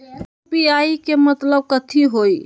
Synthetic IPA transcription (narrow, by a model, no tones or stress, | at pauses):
piaikemət̪ləb̚kət̪ʰiɦoj